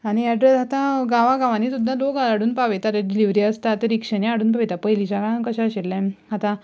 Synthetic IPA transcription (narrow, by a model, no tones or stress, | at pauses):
añiɛɖɾesɦat̪ãɡaʋaɡaʋãniːsud̪ʱːad̪oɡalaɽuːnpaʋet̪aɾeɖiliʋɾiəst̪at̪əɾikʂənjaaɽuːnpaʋet̪apəjlit͡ɕaɡaãkəɕãɕellɛ̃ɦat̪ã